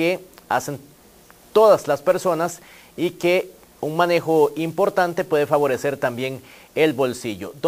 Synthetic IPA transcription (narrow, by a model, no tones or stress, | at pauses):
ea̰sen | t̪oðaslaspe̞ɾso̞nas | ike | unmane̞xoimpo̞ɾt̪ant̪e̞pwe̞ðefaβo̞ɾese̞ɾt̪ambje̞ŋ | elbo̞lsiʝo̰d̪